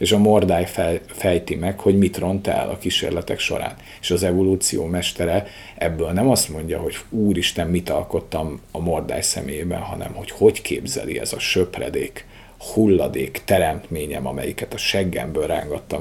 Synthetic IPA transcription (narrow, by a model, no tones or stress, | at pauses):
eːʃɒmo̞rd̪aːjfɛfɛjt̪imɛkho̞ɟmit̪ro̞nt̪ɛ̰lʔɒ̰kiʃḛːrlɛt̪ɛkʃo̞̰ɾa̰ːn | eːʃɒzɛvo̞luːt̪sijoːmɛʃt̪ɛɾɛ | ʔɛbːøːlnɛmɒst̪mo̞ɲɟɒ̰ɦo̞ɟuːɾiʃt̪ɛmːit̪ɒlko̞t̪ːɒmɒmo̞rd̪a̰ːjsɛ̰meːjeːbɛnɦɒnɛ̰mho̞cho̞ckʰeːbzɛ̰lḭɛ̰zɒʃø̞prɛ̰d̪eːk | hulːɒd̪eːkt̪ɛɾɛmt̪meːɲɛ̰mɒmɛ̰jikɛt̪ɒʃɛɡːɛ̰mbøːlra̰ːŋɡɒt̪ːɒm